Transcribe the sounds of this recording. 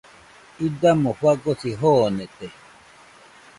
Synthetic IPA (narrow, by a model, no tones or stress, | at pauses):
id̪amoɸwaɡosiɦoːnet̪e